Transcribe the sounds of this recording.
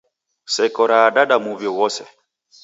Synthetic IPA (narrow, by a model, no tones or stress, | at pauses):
sɛkɔɾaːɗaɗamuβjɔwɔsɛ